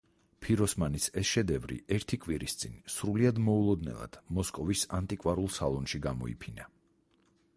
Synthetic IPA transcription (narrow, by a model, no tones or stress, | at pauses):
pʰiɾɔsmanisɛsʃɛd̪ɛvɾḭɛɾt̪ʰikʼwiɾist̪sʼinsɾuliad̪mɔulˠɔd̪nɛ̰lˠa̰d̪̥mɔskʼɔvisant̪ʼikʼwaɾulˠsalˠɔnʃiɡamɔ̰ḭpʰina